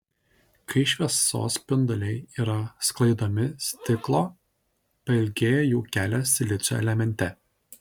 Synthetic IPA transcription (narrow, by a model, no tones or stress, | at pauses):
kɐɪʃʲʋʲiɛso̰ːspʲɪnd̪ɔlʲɛɪiːɾɐsklˠɐɪd̪oːmʲɪsʲt̪ʲɪklˠoː | pɐɪlʲɡʲeːjojuːkʲæːlʲosʲɪlʲɪt̪sʲo̰ɛ̰lʲɛmʲɛnʲt̪ʲɛ